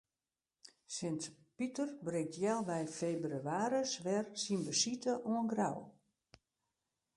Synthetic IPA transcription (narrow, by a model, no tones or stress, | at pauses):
sɪntpitərbrɪŋ̚tʰjɛlˠʋɛjfeːbryaːɾəsʋɛrsinbəsitəʔuənɡraw